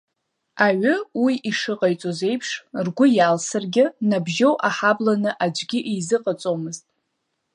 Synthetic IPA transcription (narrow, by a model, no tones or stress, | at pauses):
aɥʏwiʔiʂɨqʼajt͡sʼoze̞jpʰʂrɡʷʊjalsɨrɡʲɪnabʒowʔaħablanɨʔad͡ʒʷɡʲɪʔijzɨqʼat͡sʼomɨztʼ